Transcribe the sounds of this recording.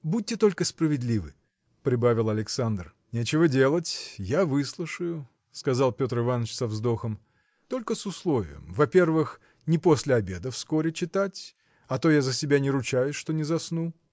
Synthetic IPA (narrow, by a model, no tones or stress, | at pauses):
but̚ʲtʲːɪt̪o̞lʲkəsprəvʲɪd̪lʲivɨ̰ | pɾʲɪbavʲɪlˠɐlʲɪksand̪r | nʲet͡ɕɪvədʲe̞lˠətʲjavɨslˠʊʂɨjʊ | skɐzɑlˠpʲo̞t̪rɨvanːət͡ɕsɐvzd̪o̞xəm | t̪o̞lʲkəsʊslˠovʲɪ̰jə̰mvɐpʲe̞rvɨx | nʲɪpo̞sʲlʲɪɐbʲe̞d̪əfsko̞ɾʲɪt͡ɕɪt̪atʲ | ɐt̪o̞jazəsʲɪbʲanʲɪɾʊt͡ɕajʊʂt̪o̞nʲɪzɐsnu